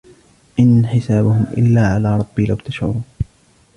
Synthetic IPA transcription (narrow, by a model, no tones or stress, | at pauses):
ʔɪnħɪsaːbʊhʊmʔɪ̰lːaːʕalaːɾˤɑb̥ːiːlawt̪aʃʕʊ̰ɾˤuːn